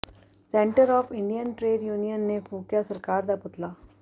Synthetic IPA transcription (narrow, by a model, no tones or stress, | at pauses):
sẽːɳʈəɾɔːfɪ̃ɳɖijənʈɾeːɖjuːnijənːepʰuːkjasɐɾkaːɾd̪apʊt̪laː